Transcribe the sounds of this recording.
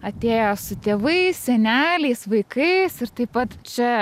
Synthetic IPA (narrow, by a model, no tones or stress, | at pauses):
ɐt̪ʲeːjoːsʊt̪ʲeːʋɐɪssʲɛnʲæːlʲɛɪsʋɐɪkɐɪsɪɾt̪ɐɪpɐt̪t͡ʃʲɛ